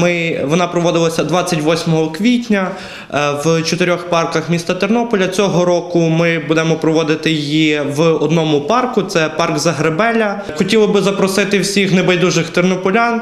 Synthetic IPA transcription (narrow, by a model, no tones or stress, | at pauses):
mɪʋɔnɑpɾɔʋɔd̪ɪlˠɐsʲɐd̪ʋɑt͡sʲːɐtʲʋɔsʲmɔɦɔkʋʲitʲnʲɐ | ʋt͡ʃɔt̪ɪɾʲɔxpɑrkɐxmʲist̪ɐt̪ernɔpɔlʲɐt͡sʲɔɦɔɾɔkʊmɪbud̪ɛmɔpɾɔʋɔd̪ɪt̪ɪjjiʋɔd̪nɔmʊpɑrkʊt̪sɛpɑrɡzɐɦɾebɛlʲɐ | xɔtʲilˠɐbɪzɐpɾɔsɪt̪ɪwsʲixnebɐjd̪uʒɪxt̪ernɔpɔlʲan